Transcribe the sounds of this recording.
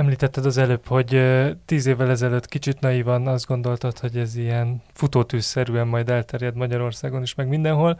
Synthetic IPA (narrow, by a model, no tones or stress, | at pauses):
ɛmliːt̪ɛt̪ːɛd̪ɒzɛløːpho̞ɟt̪iːzeːvːɛlɛzɛløːt̪ːkit͡ʃit̪nɒjivɒnɒzd̪ɡo̞nd̪o̞lt̪ot̪ho̞ɟɛzijɛnfut̪oːt̪yːsːɛɾyɛmːɒjd̪ɛlt̪ɛrjɛd̪mɒɟɒɾo̞rsaːɡo̞niʃmɛɡmind̪ɛnɦo̞l